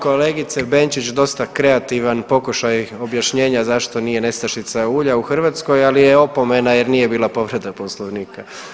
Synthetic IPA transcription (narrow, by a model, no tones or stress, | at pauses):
ko̞le̞ːɡit̪se̞be̞nt͡ʃit͡ɕd̪o̞st̪akɾe̞at̪iʋanpo̞kuʃajo̞bjaʃɲe̞ːɲazaʃt̪o̞nije̞ne̞st̪aʃit̪sauːʎauxrʋat̪sko̞jalijeo̞po̞me̞naje̞ɾnije̞biːlˠapo̞ʋɾe̞d̪aposlˠoʋniːka